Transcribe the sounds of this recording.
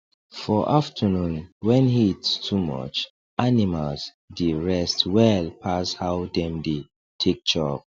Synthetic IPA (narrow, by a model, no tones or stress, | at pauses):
fɔʔaftʰənũnwɛ̃nhitstʰumɔ̰t͡ʃ | ʔanimals | diɹɛstwɛlpʰashawdɛ̃mde | tʰek̚d͡ʒɔb̚